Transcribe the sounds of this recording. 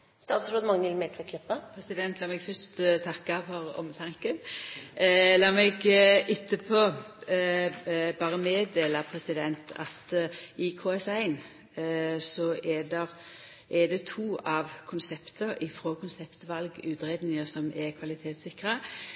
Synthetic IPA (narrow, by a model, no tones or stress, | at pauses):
st̪ɑːt̪sɾɔd̪mɑŋːəɪlmɛlt̪ʰʋɛk̪ʰlɛpːəpʰɾɛsɪd̪ɛnt̪lɑːmɛɡfœst̪t̪ʰɑkːɑfɔɾɔ̰mət̪ʰɑŋkən | lɑːmɛɡʔɪt̪ːəpʰoː | bɑːʁəmeːd̪eːlɑpʰɾɛsɪd̪ɛnt̪ʰɑ̰t̪ɪkʰoːɛsæɪn | sɔɛd̪ɛʁ | ʔɛd̪ɛt̪ʰuːʔɑʋkʰʊnsɛpt̪əɾɪfɾoːkʰʊnsɛpt̪ʋɑlɡʉːt̪ɾeːd̪nɪŋəsɔmɛkʰʋɑlɪt̪ʰeːt̪sɪkʁə